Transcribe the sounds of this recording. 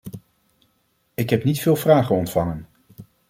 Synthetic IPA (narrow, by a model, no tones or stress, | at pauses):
ɪkɦɛpnitfɪːlˠvraːχənɔntfɑŋən